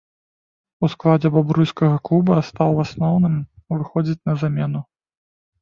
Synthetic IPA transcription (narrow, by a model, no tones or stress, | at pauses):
usklˠad͡zʲɛbabɾujskɐɣɐklˠubɐst̪awˠasnɔwnɨmvɨxɔd͡zʲit͡sʲnɐzamʲɛnu